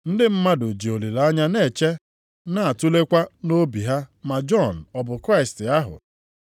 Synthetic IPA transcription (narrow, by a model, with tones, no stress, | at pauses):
n̩˦dɪ˦m̩˦ma˦dʊ˨d͡ʒi˨o˨li˨la˦ɲa˦ne˦˨t͡ʃe˦ | na˦˨a˨tu˦le˦kʷa˦no˦bi˨ɦa˦ma˨d͡ʒɔ˦˨n̩˨ɔ˨bʊ˨kɾa˦˨ɪ˨stɪ˨a˦ɦʊ̰˨